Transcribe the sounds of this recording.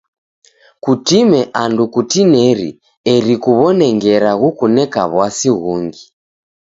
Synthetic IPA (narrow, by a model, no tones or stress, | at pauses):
kutimɛʔandukutinɛɾḭ | ɛɾikuβɔnɛŋɡɛɾaɣukunɛka̰βwasiɣuŋɡi